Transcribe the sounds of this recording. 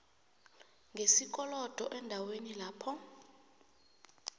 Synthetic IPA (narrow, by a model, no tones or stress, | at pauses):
ŋɡʱesik̬ʼɔlɔd̥ʱɔʔɛndʱawenilaːpʰɔ